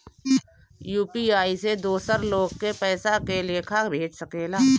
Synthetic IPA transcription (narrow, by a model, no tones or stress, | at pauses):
juːpiaːised̪oːsəɾloːɡ̚kepɛːsakelekʰabʱeːt͡ʃsəkeːlaː